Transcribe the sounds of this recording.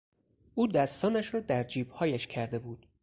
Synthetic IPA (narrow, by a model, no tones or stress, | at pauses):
ʔuːd̪æst̪ɒːnæʃɾɒːd̪æɾd͡ʒiːbhɒːjæʃcʰæɾd̪e̞buːd̪̥